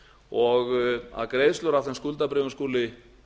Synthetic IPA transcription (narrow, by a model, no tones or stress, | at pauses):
ɔɣa̰ðkɾeːjðst̪œɾawθɛnskult̪apɾɪɣʏnskuːlɪ